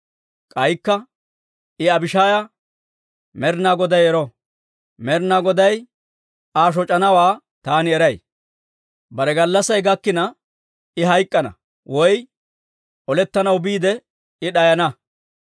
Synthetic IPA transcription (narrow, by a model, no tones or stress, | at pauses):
kʼɐjkːɐ | ɪɐbɪʃaːjɐ | mɛɾnaːɡɔd̪ɐjɛɾɔ | mɛɾnaɡɔd̪ɐj | aːʃ̬ɔt͡ʃʼːɐnɐwaː | t̪aːnɪɛɾɐj | bɐɾɛɡɐlːɐsɐjɡɐkːɪnɐ | ɪɦɐjkʼːɐnɐ̰ | wɔj | ʔɔlɛt̪ːɐnɐwbiːd̪ɛ | ɪɗɐjɐnɐ